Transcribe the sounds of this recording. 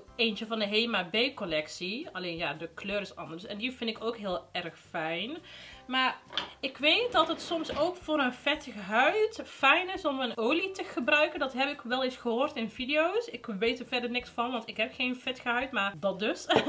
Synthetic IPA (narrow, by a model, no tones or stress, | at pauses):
eːntəvɑndəɦeːmabejkɔlɛksiɑleːnjaːdəkløːɾɪsɑ̰ndəɹsɛndifɪntɪkowkɦɪːlˠɛrxfɛjnmaːrɪkʋejt̚dɑtɦətsɔmsoːkfʊːɾənfɛtɣəɦœɥtfɛjnɪsɔmənoːlitəɣəbrœɥkəndɑtɦɛpɪkʋɛlˠɪsxəɦoːrtɪnvidijowsɪkʋejtəvɛrdərnɪksfɑnʋɑntɪkɦɛpxejnfɪtɣəɦœɥtmaːrdɑt̚dɵs